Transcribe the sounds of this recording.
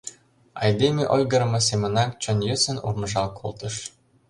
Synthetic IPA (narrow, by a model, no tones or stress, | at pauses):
ɑ̰jd̪ʲemʲeʔolʲɡɤ̆ɾɤ̆mɤ̆s̬ʲemɤ̆nɑnt͡ɕŏnjɘsɘ̆nṵrmɤ̆ʒɑlˠkʰolˠt̪ɤ̆ʃ